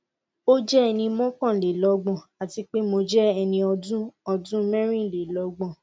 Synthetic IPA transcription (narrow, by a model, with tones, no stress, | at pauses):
o˦d͡ʒɛ˦ɛ˧nĩ˧mɔ̃˦kã˦˨le˨lɔ˨˦ɡ͡bɔ̃˨a˨ti˧k͡pe˦mo˧d͡ʒɛ˦ɛ˧nĩ˧ɔ˧dũ˦ɔ˧dũ˦mɛ̃˦ɾ̃ĩ˦˨le˨lɔ˨˦ɡ͡bɔ̃˨